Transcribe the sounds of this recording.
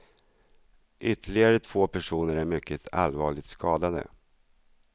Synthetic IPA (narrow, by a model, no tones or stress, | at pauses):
ʔʏt̪ʰːəɭɪɡaɾət̪ʰv̥oːpʰæʂuːnəɾæɾmʏkʰːət̪ʰa̰lvɑːɭɪt̪skɑːd̪ad̪ə̰